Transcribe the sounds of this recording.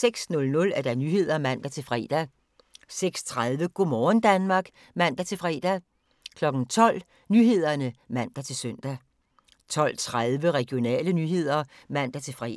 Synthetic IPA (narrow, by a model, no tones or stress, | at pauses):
seɡ̥snɔ̽lnɔ̽læɐd̥ænyɦe̝ð̞̰ˠɐmæn̰d̥æt͡sʰe̝lfʁɛ̰ːd̥æ | seɡ̥st͡sʰʁaðˠʋəɡ̥o̝mɒːn̩d̥ænmɑ̈ːɡ̥ | mæn̰d̥æt͡sʰe̝lfʁɛ̰ːd̥æ | kʰlɒ̽ɡ̥n̩t͡sʰɒ̽l̰ | nyɦe̝ð̞̰ˠɐnəmæn̰d̥æt͡sʰe̝lsœn̰d̥æ | t͡sʰɒ̽l̰t͡sʰʁaðˠʋəʁɛɡ̥jo̝nɛ̰ːlənyɦe̝ð̞̰ˠɐ | mæn̰d̥æt͡sʰe̝lfʁɛ̰